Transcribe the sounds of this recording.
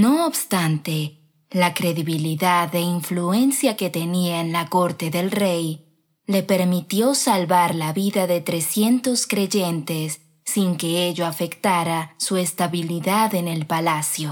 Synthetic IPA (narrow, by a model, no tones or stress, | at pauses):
no̞ːβst̪ant̪e̞ | lakɾe̞ðiβiliðaðe̞iɱflue̞nsjake̞t̪e̞niaenlako̞ɾt̪e̞ðe̞lrej | le̞pe̞ɾmit̪jo̞salβaɾlaβiðaðe̞t̪ɾe̞sje̞nt̪o̞skɾe̞ʝe̞nt̪e̞sː | iŋke̞eʎoafe̞kt̪aɾasuest̪aβiliðaðe̞ne̞lpalasjo̞